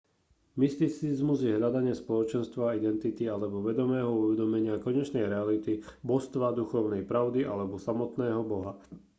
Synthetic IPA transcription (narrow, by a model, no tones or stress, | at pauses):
mist̪it͡sizmuzjɛɦʎad̪aɲɪɛspɔlɔt͡ʃɛnst̪ʋaid̪ɛnt̪it̪ialɛbɔʋɛd̪ɔmɛːɦɔuʋɛd̪ɔmɛɲɪakɔɲɛt͡ʃnɛjɾɛalit̪ibɔst̪ʋad̪uxɔʊnɛjpɾaʊd̪iʔalɛbɔsamɔt̪nɛːɦɔbɔɦa